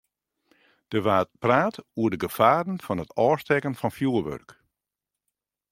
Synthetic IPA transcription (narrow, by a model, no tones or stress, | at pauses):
d̥əʋaːtpraːtuədəɡəfaːdən̩fɔnətʰɔːstɛkənfɔnfjuəʋø̰rk